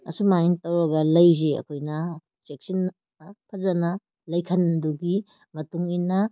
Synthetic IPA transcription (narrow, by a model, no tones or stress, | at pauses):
ʔɐ̰sumaintɐwɾɐɡɐlɐjzeɐ̰kʰojnɐ | t͡ʃek̚sin | pʰɐzɐnɐ | lɐjkʰɐnduɡi | mɐtuŋinɐ